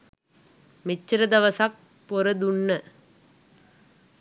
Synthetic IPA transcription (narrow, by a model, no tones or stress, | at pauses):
mɪt͡ʃːɾɐd̪ɐʋɐsaːk̚ | pɔɾɐd̪ʊɳːɐ